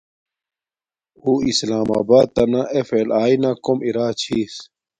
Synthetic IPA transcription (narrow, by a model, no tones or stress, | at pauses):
huːislaːma̰ːbaːd̪̚t̪ɐnaʔefelaːinakomiɾaːt͡ɕʰiːs